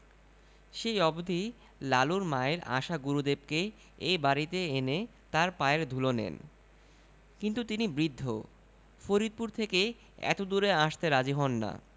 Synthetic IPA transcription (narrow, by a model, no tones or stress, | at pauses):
ʃejɔbod̪ʱi | laluɾmaeɾa̰ʃaɡuɾud̪eb̚ke | ejbaɾit̪eenet̪aɾpaeɾd̪ʱulonḛn | kint̪ut̪inibɾid̪ʱːo̰ | foɾid̪̚puɾt̪ʰeke | ɛ̰t̪od̪uɾeaʃt̪eɾad͡ʑiɦɔnːa̰